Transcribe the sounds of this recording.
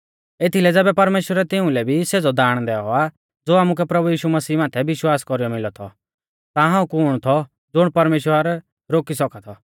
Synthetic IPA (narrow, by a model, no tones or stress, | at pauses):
et̪ʰilɛd͡zɛːbɛpɐɾmeːʃwəɾɛt̪ɪʊ̃lɛbʱised͡zɔd̪aːɽ̃d̪ɛɔa | d͡zoːaːmuk̬ɛpɾɐbujiːʃumɐsiːmaːt̪ʰɛʋɪʃwaːskɔɾijɔmɪlɔt̪ʰɔ̰ | t̪aɦãːũkuɽ̃ɔt̪ʰɔ | d͡zʊɽ̃pɐɾmeːʃwəɾ | ɾoːkisɔkat̪ʰɔ